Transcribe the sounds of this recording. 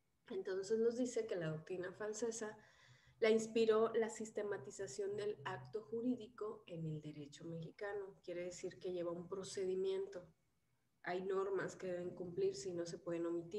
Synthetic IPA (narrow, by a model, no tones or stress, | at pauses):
e̞nt̪o̞nse̞zno̞zðise̞ke̞laðo̞k̚t̪ɾinafalse̞sa | lainspiɾo̞lasist̪e̞mat̪isasjo̞nd̪e̞lakt̪o̞xuɾiðiko̞e̞ne̞ld̪e̞ɾe̞t͡ʃo̞me̞xikano̞kje̞ɾe̞ðe̞siɾke̞ʝe̞βaumpɾo̞se̞ðimjẽ̞nt̪o̞ | ajno̞ɾmaske̞ðe̞βe̞ŋkumpliɾse̞ino̞s̬e̞pwe̞ðe̞nomit̪i